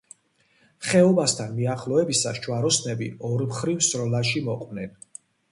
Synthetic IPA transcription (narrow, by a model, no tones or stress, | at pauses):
χɛɔbast̪ʰanmiaχlˠɔɛbisasʃʰwaɾɔsnɛbḭɔɾmχɾivsɾɔlaʃimɔqʼwnɛn